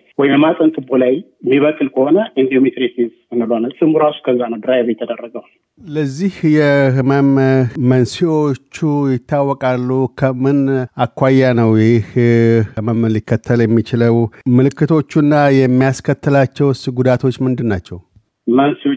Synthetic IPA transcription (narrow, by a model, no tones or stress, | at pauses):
wɔjmasʼənt̪ʼɨbolaj | miβəkʼːɨlkʰəhonəʔɨnd̪iomit̪ɾesiz | ɨnːɨlonalsɨmuɾasu̥kʰəzːanəwd̪ɨɾajbəɛt̪ʰːəd̪ərːəɡəw | ləzːihjɛhməmːənsio̞t͡ʃːujɪt̪ʰːawːɔkʼalːukʰəmɨnakːʷajːanəwjjɪh | məmlɨkʰːət̪ʰːəljɛmːit͡ʃɪləwmɨlɨkːɨt̪ʰo̞t͡ʃːunːajɛmːijaskʰət̪ːɨlat͡ʃːɛwsɨɡud̪at̪ʰo̞t͡ʃːmɨnd̪ɨnːat͡ʃːɛw | mənsio